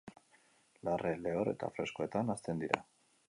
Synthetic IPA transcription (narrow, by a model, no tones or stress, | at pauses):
larʔele̞ore̞̰t̪a̰fɾe̞skoe̞t̪anast̪e̞nd̪iɾa̰